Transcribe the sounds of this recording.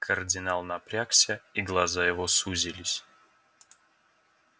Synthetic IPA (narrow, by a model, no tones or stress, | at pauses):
kʰərdʲɪnalˠnɐpɾʲaksʲəiɡlˠɐzajɪvosuzʲɪlʲɪsʲ